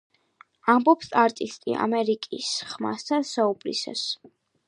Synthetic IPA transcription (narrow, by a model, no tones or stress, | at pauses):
ambɔpsaɾt̪ʼist̪ʼḭʔa̰mɛɾikʼisχma̰st̪ʰansaubɾḭsa̰s